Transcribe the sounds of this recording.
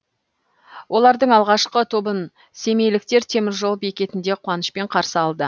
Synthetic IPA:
wʔo̞lˠɑɾd̪əɴɑlˠʁɑʃqət̪ʰobən | se̞me̞jlɪk̚t̪e̞ɾt̪ʰe̞mɪɾʒo̞lˠbe̞kʲe̞t̪ɪnd̪e̞qʰʊwɑnəʃpe̞ɴqʰɑɾsəɑlˠd̪ə

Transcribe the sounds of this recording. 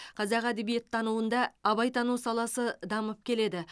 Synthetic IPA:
qʰɑzɑqæd̪ebijet̪ʰːɑnuwənd̪ɑːβɑjt̪ʰɑnuwsɑlˠɑsəd̪ɑməp̚kʲʰe̞le̞d̪ɪ

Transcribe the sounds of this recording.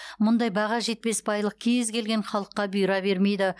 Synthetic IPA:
mʊnd̪ɑjbɑʁɑʒe̞t̪̚pe̞spʰɑjlˠəq̚kʲʰezkʲʰe̞lɡʲe̞ɴχɑlˠəqːɑbijɾɑbe̞ɾme̞jd̪ɪ

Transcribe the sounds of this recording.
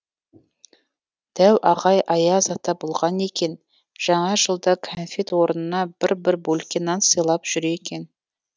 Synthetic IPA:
d̪̥æwʔɑʁɑjʔɑjɑzɑt̪ːɑbolˠʁɑne̞kʲe̞n | ʒ̥ɑɴɑʒəlˠd̪ɑkʰonfet̪wo̞ɾənənɑbɪɾbɪɾbolkʲenːɑnsəjlˠɑpʒ̥ʏɾeekʲe̞n

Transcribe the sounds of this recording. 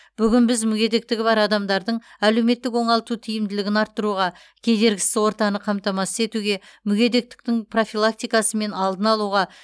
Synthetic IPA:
b̥ʏɡʲɪnbɪzmʏɡʲe̞d̪e̞k̚t̪ɪɡʲɪbɑɾɑd̪ɑmd̪ɑɾd̪əɴæle̞wme̞t̪ːɪkwo̞ɴɑlˠt̪ut̪ʰijɪmd̪ɪlɪɡʲɪnɑɾt̪ːəɾuʁɑ | kʲʰe̞d̪e̞ɾɡʲɪ̥sɪzwo̞ɾt̪ɑnəqʰɑmt̪ɑmɑsəze̞t̪uɡʲe̞mʏɡʲe̞d̪e̞k̚t̪ɪ̥k̚t̪ɪŋpʰro̞fʲilˠak̚t̪ijkɑsəme̞nɑlˠd̪ənɑlˠuʁɑ

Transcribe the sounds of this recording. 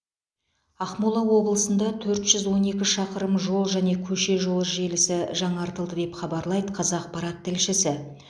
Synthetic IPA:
ɑχmulˠɑwo̞blˠəsənd̪ɑt̪ʰɵɾt̪ʒ̥ʏzwo̞ne̞kʲɪʃɑqəɾəmʒo̞lˠʒæne̞kʲʰɵʃe̞ʒo̞lˠəʒe̞lɪsɪʒɑɴɑɾt̪əlˠd̪əd̪e̞pχɑbɑɾlˠɑjd̪əqʰɑzɑq̚pɑɾɑt̪ːɪlʃɪsɪ

